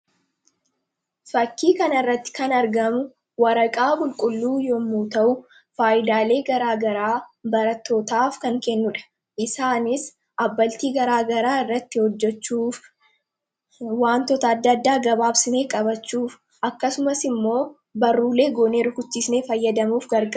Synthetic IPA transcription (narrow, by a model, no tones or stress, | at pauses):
fɐkːiːkɐnɐrːɐt̪ːɪ̥kɐnɐɾɡɐmʊ | wɐɾɐkʼaːbʊlkʼʊlːuːjoːmːuːt̪ɐʔʊ | faːʔɪd̪aːle̞ːɡɐɾaːɡɐɾaːbɐɾɐt̪ːo̞ːt̪aːfkɐŋkɛnːʊᶑɐ̥ | ʔɪsaːnɪs | ʔɐbːɐlt̪iːɡɐɾaːɡɐɾaːɪrːɐt̪ːɪhɔd͡ʒːɛt͡ʃːuːf | waːnt̪ɔt̪ɐːd̪ːɐːd̪ːaːɡɐbaːbsɪneːkʼɐbɐt͡ʃːuːf | ʔɐkːɐsʊmɐsɪmːo̞ː | bɐrːuːle̞ːɡoːneːɾʊkʊt͡ʃːiːsneːfɐjːɐd̪ɐmuːfɡɐɾɡʼɐ